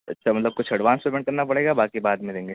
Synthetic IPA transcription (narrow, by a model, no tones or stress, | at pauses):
ɐ̰tːʃʰamɐt̪ləb̚kʊt͡ʃʰɐɽʋaːnspɾemɛ̃ɳʈ̚kɐɾnapɐɽeːɡabaːkibaːd̪mẽd̪ẽːŋɡeː